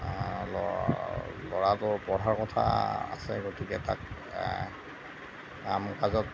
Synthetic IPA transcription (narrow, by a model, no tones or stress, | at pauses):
lɔ | lɔɹatʊɹbɔɹʱaɹkɔtʰa̰a̰sɛɡotuɡɛta̰k | amkazɔt